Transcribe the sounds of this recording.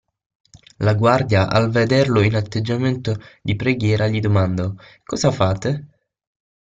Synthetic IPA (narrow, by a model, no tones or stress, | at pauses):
laɡward̪jaʔa̰lved̪erloinat̪ːed͡ʒːament̪od̪ipɾeɡjɛːɾʔaʎid̪omand̪o | kɔzafaːt̪e